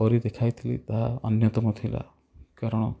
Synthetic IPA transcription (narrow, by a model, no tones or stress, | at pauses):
ɔɾid̪ekʰajt̪ʰilḭt̪aɦaɐnjɔt̪ɔmɔt̪ʰila̰ | kaɾɔɽ̃ɔ